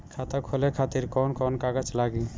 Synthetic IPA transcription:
kʰat̪akʰolekʰat̪iɾkɔnkɔnkaɡət͡ʃlaɡi

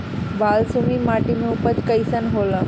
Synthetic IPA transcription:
ʋalsumiːmaʈimeupət͡skəjsənɦola

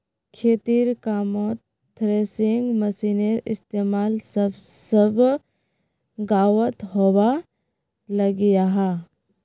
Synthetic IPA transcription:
kʰeːt̪iːɾkaːmoːt̪ː | ɾeːsɪ̃ŋɡməsiːneɾɪ̰st̪eːmaːlsəbsəb | ɡaːwət̪ɦoːwa | lɐɡijaɦa

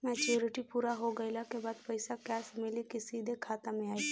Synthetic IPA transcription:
mɛt͡ʃuːɾɪʈipuːɾaɦoɡəɪlakebaːd̪pəɪsakɛːsmɪlikisiːd̪ʱekʰaːt̪amẽaːi

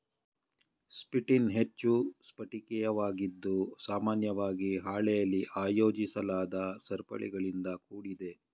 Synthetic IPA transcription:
spiʈinɦet͡ʃːuspɐʈikɛjɐʋaːɡid̪ːusaːmaːnjɐʋaːɡiɦaːɭɛjɐlːiʔaːjo̞ːd͡ʒisɐlaːd̪ɐsɐɾpɐ̰ɭḭɡɐɭind̪ɐkuːɽid̪e̞

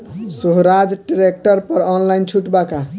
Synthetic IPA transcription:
suɦɾad͡ʒɖiɾek̚ʈəɾpəɾɔnlaint͡ʃʰuʈbaka

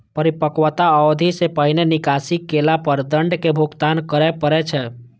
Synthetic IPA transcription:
pəɾipəkwət̪aəwd̪ʱisepəɦinenikasikːelapəɾd̪əɳɖkebʱuɡt̪ankəɾɛpəɾɛt͡ʃʰɛ

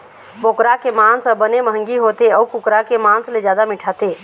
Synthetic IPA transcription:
boːkɾakemãːnsəbəneməɦə̃ŋɡiɦoːt̪eɔːkʊkɾakemãːnsled͡ʒjaːd̪amɪʈʰat̪eː

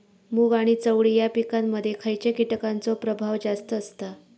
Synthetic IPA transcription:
muːɡaɽ̃it͡səʋɭijapikamːəd̪ʱːjekʰajt͡ɕekiʈəkant͡sopɾəbʱaʋd͡zast̪əːst̪a

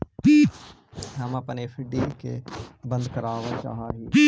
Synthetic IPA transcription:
pi | ɦəməpnefʰɪɖiːkḛbə̃nd̪kəɾaːʋat͡ʃa̰ːɦaːɦiː

